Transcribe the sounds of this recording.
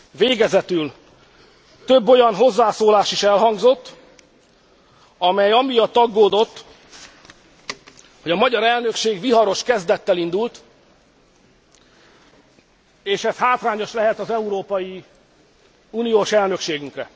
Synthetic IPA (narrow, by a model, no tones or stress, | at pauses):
veːɡɛzɛt̪yl | t̪ø̞bːo̞jɒnɦo̞zːaːsoːlaːʃiʃɛlɦɒŋɡzo̞t̪ː | ɒmɛjɒmijɒt̪ːɒɡːoːd̪o̞t̪ː | ho̞ɟɒmɒɟɒɾɛlnø̞kʃeːɡviɦɒɾo̞ʃkɛzd̪ɛt̪ːɛlind̪ult̪ | eːʃɛshaːt̪raːɲo̞ʃlɛɦɛt̪ɒzɛuɾoːpɒji | unijoːʃɛlnøkʃeːɡyŋkrɛ